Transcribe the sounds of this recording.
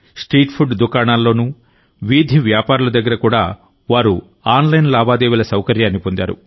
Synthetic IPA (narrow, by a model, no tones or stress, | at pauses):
sʈɾiːʈpʰuɖd̪ukaːɳaːlːo̞ːnu | ʋid̪ʱiʋjaːpaːɾulɐd̪ɐɡːɐɾɐkuːɽaː | ʋaːɾu | aːnlɐjnlaːbaːd̪eːʋilɐsɐwkɐɾjaːɐnːipond̪a̰ːɾṵ